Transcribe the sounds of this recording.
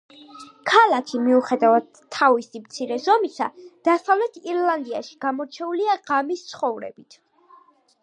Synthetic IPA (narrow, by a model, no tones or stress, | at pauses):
kʰalˠakʰʃimiuχɛd̪avad̪ʰːavisimt̪sʰiɾɛzɔmisad̪̥asavlɛt̪ʰiɾlˠand̪iaʃi̥ɡ̥amɔɾt͡ʃʰɛuliaʁamist̪sʰχɔvɾɛ̰bit̪ʰ